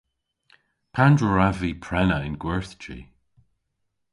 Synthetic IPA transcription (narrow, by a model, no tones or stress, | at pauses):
pʰandɹəɹavipʰɹɛnəɪnɡ̥wɛɹθt͡ʃḭ